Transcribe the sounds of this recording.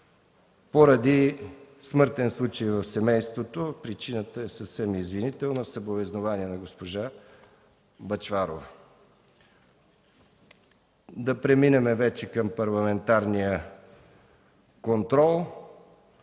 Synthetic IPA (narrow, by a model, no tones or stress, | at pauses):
poɾɐd̪ismɤɾt̪ɛnslˠut͡ʃəjvɐfsɛmɛjst̪vot̪opɾit͡ʃinət̪əɛsəfsɛmizvinit̪ɛlˠnəsɐbovɛznovaniɛnɐɡospoʒa | bɐt͡ʃvaɾo̰vɐ | d̪ɐpɾɛminɛmɛvɛt͡ʃɛkɐmpɐɾlˠɐmɛnt̪aɾnijə | kont̪ɾɔlˠ